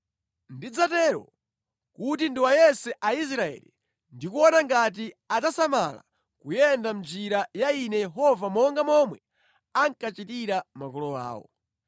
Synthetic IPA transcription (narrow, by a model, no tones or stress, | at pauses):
ndid͡zatɛɾɔ̰ | kutindiwajɛsɛʔais̬ɾaɛ̰li | ndikuɔnaŋɡat̬i | atasamala̰ | kujɛndamd͡ʒiɾajainɛjɛɦɔvamɔŋɡamɔmwɛ | aŋkat͡ʃitiɾamakɔlɔwa̰ːwɔ̰